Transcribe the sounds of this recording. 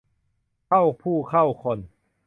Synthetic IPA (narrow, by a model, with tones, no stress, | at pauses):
kʰa˥˩wpʰuː˥˩kʰa˥˩wkʰo˧˩n